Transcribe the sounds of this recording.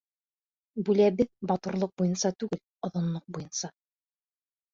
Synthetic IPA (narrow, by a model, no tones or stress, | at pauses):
bʉlæbɘðbɒt̪ŏɾlˠoq̚bujɤnsɑt̪ʉɡɘl | ŏðŏnlˠoq̚bujɤnsɑ